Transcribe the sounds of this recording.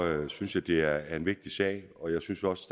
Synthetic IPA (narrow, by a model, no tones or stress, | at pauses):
øsynsjɑd̥e̝æɐæɐe̝nʋe̝ɡ̥̚d̥isɛ̰ɪ̰ɒ̽jɑ̈ɪsynsɒ̽sə̥d̥